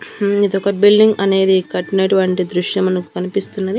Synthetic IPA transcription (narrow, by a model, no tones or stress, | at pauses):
id̪ɔkɐbilɖiŋɡɐne̞ːd̪ikɐʈːineːʈuʋɐɳʈid̪ɾuʂjɐmɐnɐkukɐnipist̪unːɐd̪i